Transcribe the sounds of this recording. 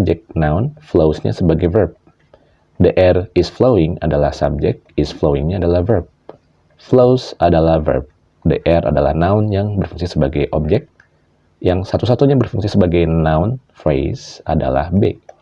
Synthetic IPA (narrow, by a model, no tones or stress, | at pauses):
b̚d͡ʒɛk̚naʊnflowsɲa̰səbaɡajvərp̚ | dəʔɛrɪsflowɪŋa̰dalahsa̰b̚d͡ʒɛk̚t̪̚ɪsfloɪŋɲaːdalahvərp̚ | flowsadalahvə̰rp̚ | də̰ʔɛra̰dala̰hnaʊnjaŋbərfuŋsisəbaɡajʔɔb̚d͡ʒɛk̚t̪̚ | jaŋsat̪usat̪uɲabərfuŋsisəbaɡajnaʊnfɾejsada̰la̰hbḛ